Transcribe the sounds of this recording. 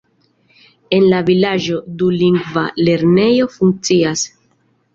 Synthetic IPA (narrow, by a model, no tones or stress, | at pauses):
e̞nlavilaʒo̞duliŋɡva̰le̞ɾne̞jo̞fuŋk̚t͡sias